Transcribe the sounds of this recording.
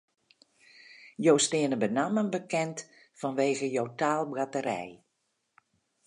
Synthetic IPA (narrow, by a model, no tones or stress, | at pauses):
jowstɪənəbənamənbəkɛnt | fɔnʋeːɣəjowtaːlˠbɡatəɾɛ̰j